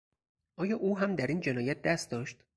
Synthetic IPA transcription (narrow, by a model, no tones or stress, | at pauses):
ʔɒːjɒːʔuːɦæmd̪æɾiːnd͡ʒe̞nɒːjæt̪̚d̪æst̪̚d̪ɒːʃt̪